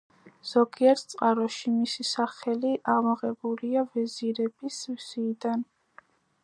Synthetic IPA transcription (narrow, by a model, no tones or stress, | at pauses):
z̥ɔɡiɛɾt̪ʰt̪sʼqʼaɾɔʃimisisaχɛliʔaʁmɔʁɛbuliavɛziɾɛbisvz̥iːd̪an